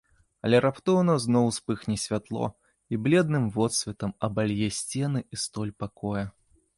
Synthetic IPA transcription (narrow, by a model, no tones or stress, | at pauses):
ɐlʲɛɾapt̪ɔwnɐznɔwspɨxnʲɛsʲvʲat̪lˠɔ̰ | iblʲɛd̪̚nɨmvɔt̪sʲvʲɛt̪ɐmɐbalʲjɛsʲt͡sʲɛnɨist̪ɔlʲpakɔjɐ